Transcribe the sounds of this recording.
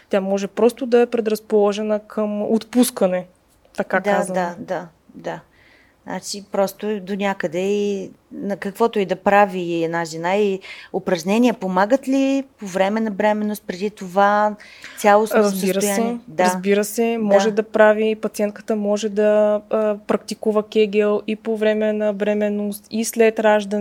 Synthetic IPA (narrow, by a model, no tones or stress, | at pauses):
t̪ʲjamɔʒɛpɾɔst̪ʊd̪ɐɛpɾɛd̪ɾɐspolˠɔʒɛnəkʰəmot̪puskənɛ | t̪ɐkad̪aazd̪ad̪a | d̪a | a̰t͡ʃipɾɔst̪od̪onʲakəd̪ɛinɐkəkvɔt̪oid̪ɐpɾaviɛd̪naʒɛnaiopɾɐʒnɛnʲiɛpomaɡət̪lipovɾɛmɛnɐbɾɛmɛnːost̪̚pɾɛd̪it̪ova | sʲjalˠosɾəzb̪əiɾəoj̪aɛd̪aɐzbiɾəsɛmɔʒɛd̪ɐpɾavipɐt̪siɛnt̪̚kə̥t̪əmɔʒɛd̪ɐ | pɾɐk̚t̪ikuvəkʲɛɡɛlˠipovɾɛmɛnɐbɾɛmɛnost̪islɛt̪ɾaʒd̪ə